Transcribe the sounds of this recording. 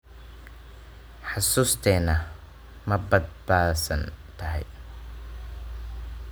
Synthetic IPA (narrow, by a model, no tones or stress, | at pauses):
ħɑsuːst̪ʰɛːnɐ | mɐbɐd̪̚baːsɐnt̪ʰɐɦɛ̰j